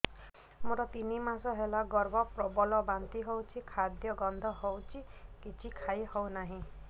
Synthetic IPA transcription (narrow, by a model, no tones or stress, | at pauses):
moɾɔt̪inimasɔɦelaɡɔɾbɔpɾɔbɔlɔbant̪iɦowt͡ʃʰikʰad̪jɔɡɔnd̪ʱɔɦowt͡ʃʰikit͡ʃʰikʰajhɔwnaɦĩ